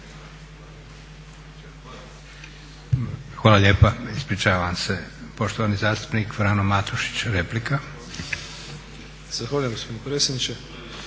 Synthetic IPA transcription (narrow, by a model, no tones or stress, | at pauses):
xʋaːlˠaʎe̞ːpaispɾit͡ʃaːʋamse̞po̞ʃt̪oʋanizaːst̪u̥pnikfɾanomat̪uʃi̥t͡ɕɾe̞plika | z̥axʋaːujẽmɡosponpɾeːtsjed̪nit͡ʃe